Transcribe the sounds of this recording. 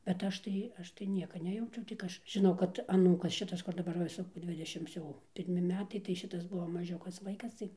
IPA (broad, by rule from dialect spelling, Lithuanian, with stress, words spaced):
bʲɛt ˈɐʃ tɐɪ ˈɐʃ tɐɪ ˈnʲiɛkɐ ˈnʲæːjɛʊt͡ʃʲɛʊ tʲɪk ˈɐʃ ʒʲɪˈnɐʊ kɐt ɐˈnuːkɐs ˈʃʲɪtɐs kʊr dɐˈbɐr ˈʋɐ ˈsʊ ˈdʲʋʲɪdʲɛʃʲɪms jɛʊ pʲɪrʲˈmʲɪ ˈmʲæːtɐɪ tɐɪ ˈʃʲɪtɐs ˈbʊʋoː mɐˈʒʲʊkɐs ˈʋɐɪkɐs ˈtɐɪ